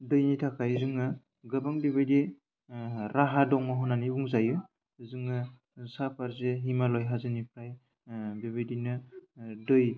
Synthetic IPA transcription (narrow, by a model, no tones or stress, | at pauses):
dɯjnitʰakʰajzɯŋɯ | ɡɐbaŋbibajdi | ɾaɦadɔŋmaɦɔnanibuŋzaju | zɯŋɯ | sapʰaɾzeɦimalɔjɦazenipʰɾaj | biβajdinɯdɯj